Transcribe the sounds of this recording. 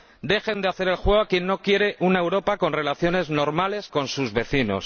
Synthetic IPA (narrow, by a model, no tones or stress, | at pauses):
d̪e̞xe̞nd̪eaθe̞ɾe̞lxwe̞ɣakje̞nːo̞kje̞ɾe̞ʔunae̞wɾo̞pako̞nre̞laθjo̞ne̞zno̞ɾmale̞sko̞nsuzβe̞θino̞̰s